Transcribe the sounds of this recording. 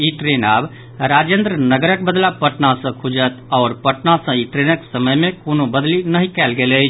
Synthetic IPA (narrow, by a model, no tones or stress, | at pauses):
iʈɾenab | ɾad͡ʒẽnd̪ɾənəɡəɾəkbəd̪lapəʈnasə̃kʰud͡ʒət̪ɔːɾpəʈnasə̃iʈɾenəksəməjmekonobəd̪linəɦĩkɛlɡelət͡ʃʰ